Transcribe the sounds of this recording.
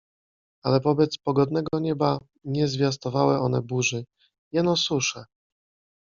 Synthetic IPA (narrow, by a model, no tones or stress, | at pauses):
alɛpɔbɛt̪spɔɡɔd̪nɛɡɔɲɛba | ɲɛzvʲjast̪ɔvawɛɔnɛbuʐɘ | jɛnɔsuʂɛ